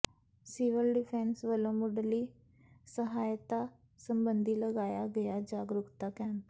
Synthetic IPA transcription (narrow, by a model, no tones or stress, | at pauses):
siʋəlɖɪpʰɛ̃ːnsʋəlõːmʊɖliː | səɦaːjt̪aː | səmbənd̪iːləɡaːjaːɡəjad͡ʒaːɡɾʊkt̪aːkɛːn